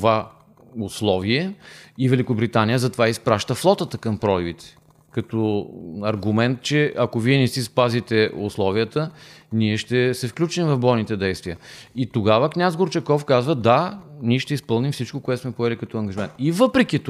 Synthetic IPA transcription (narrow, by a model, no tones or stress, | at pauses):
t̪va | ʊslˠɔviɛivɛlikʊbɾit̪anijəzɐt̪ovaispɾaʃt̪əflˠɔt̪ət̪əkɐmpɾɔlibit̪ɛ̥ | kɐt̪ɔɐɾɡʊmɛnt̪̚t͡ʃɛɐkoviɛnɛsispazit̪ɛʊslˠɔviət̪əniɛʃt̪ɛsɛfklʲut͡ʃimvɐfbɔjnit̪ɛd̪ɛjst̪viəit̪oɡavəknʲazɡoɾt͡ʃɛkɔfkazvəd̪anʲiʃt̪ɛispɤlˠnimfsit͡ʃkokoʊɛt̪smɛpoɛlikɐt̪ɔɐŋɡəʒimɛnt̪ivɤpɾɛk̟ʲit̪